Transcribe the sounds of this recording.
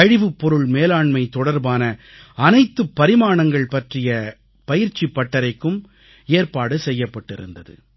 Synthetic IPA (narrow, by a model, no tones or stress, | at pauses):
ɐɻɪʋɯpːɔɾɯɭmeːlaːɳmɐɪt̪ɔɽɐɾbaːnɐ | ɐnɐɪt̪ːɯpːɐɾɪmaːɳɐŋɡɐɭpɐʈrɪjɐ | pɐjɪɾt͡ʃːipːɐʈːɐɾɐɪkːɯm | eːrpaːɽɯsɛjːɐpːɐʈːɪɾɯ̰nd̪ɐðɯ̰